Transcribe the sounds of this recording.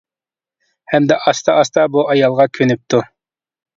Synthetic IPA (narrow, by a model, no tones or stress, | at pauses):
hɛmd̪ɛʔɑst̪ɑɑst̪ɑbuɑjɑlˠʁɑkʲʰønyp̚t̪u